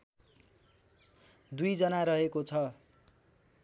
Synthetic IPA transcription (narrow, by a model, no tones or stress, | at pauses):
d̪ujd͡zʌnaɾʌɦekot͡sʰʌ